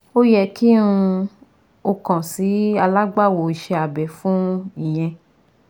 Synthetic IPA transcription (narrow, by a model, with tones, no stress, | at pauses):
o˦jɛ˦˧˨ki˦ũ˧ | o˧kã˨si˨˦a˧la˦ɡ͡ba˦˨wo˨i˨ʃe˧a˨bɛ˨fũ˦i˨j̃ɛ̃˧